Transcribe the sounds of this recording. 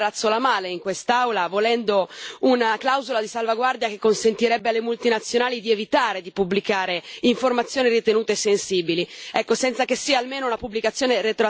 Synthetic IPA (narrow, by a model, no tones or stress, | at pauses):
at̪sːolamaːleiŋkwest̪awlavolɛnd̪ounaklawzolad̪isalvaɡward̪jakekːonsent̪iɾɛbːealːemult̪inat̪sːjonaːlid̪ievit̪aːɾed̪ipubːlikaːɾeiɱformat̪sːjoːnirit̪enuːt̪eesːensiːbiliɛkːosɛnt̪sakesːiːaːlmeːnounapubːlikat̪sːjoːneɾet̪ɾo